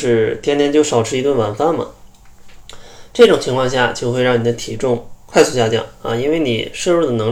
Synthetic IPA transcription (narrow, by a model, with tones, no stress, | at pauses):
ʂɻ̩˥˩t̪ʰjɛ˥nt̪ʰjɛ˧˥nt͡ɕjo˥˩ʊʂɑ˨˩ʊʈ͡ʂʰɻ̩˥i˧˥t̪wə˥˩nwa˨˩nfa˥˩nmə̰˩ | ʈ͡ʂɤ˥˩ʈ͡ʂʊ˨˩ŋt͡ɕʰi˧˥ŋkʰɑ˥˧ŋɕja̰˥˩t͡ɕjo˥˧ʊxwe˧ɪɻɑ˥˩ni˨˩d̪ə˦t̪ʰi˨˩ʈ͡ʂʊ˥˧ŋkʰwa˥˧ɪsu˥˧ɕja˥˧t͡ɕjɑ̰˥˩ŋɐ̰˧˩i˥nwe˥˩ɪni˨˩ʂɤ˥˧ɻu˥˩d̪ə˩nɤ˧˥ŋ